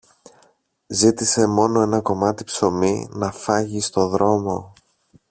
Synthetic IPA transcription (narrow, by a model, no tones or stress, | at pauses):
zit̪ise̞mo̞no̞e̞nɐko̞mɐt̪i̥pso̞minɐfɐʝist̪o̞ðɾo̞mo̞